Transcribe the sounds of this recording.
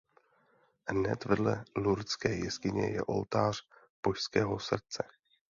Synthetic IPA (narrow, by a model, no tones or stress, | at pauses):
hnɛt̪vɛdlɛluɾt͡skɛːjɛskɪɲɛ̰jɛ̰ʔo̞̰lt̪aːr̝̥ | b̥oʃskɛːɦo̞sr̩t͡sɛ